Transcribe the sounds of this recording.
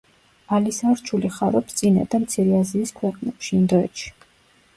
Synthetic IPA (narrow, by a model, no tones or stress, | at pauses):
alisaɾt͡ʃʰuliχaɾɔpst̪sʼina̰d̪amt̪sʰiɾɛaziːskʰwɛqʼnɛpʃiind̪ɔɛ̰t̪ʃi̥